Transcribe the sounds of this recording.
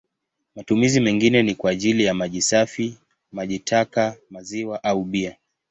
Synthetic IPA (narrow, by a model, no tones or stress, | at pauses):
matumizimɛŋɡinɛnikwaːʄilijamaʄisafi | maʄitʰakamaziwaʔauɓia